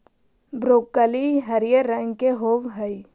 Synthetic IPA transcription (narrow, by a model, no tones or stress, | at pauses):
bɾoːkːəliɦəɾijəɾə̃ŋɡkeɦoːʋɦəi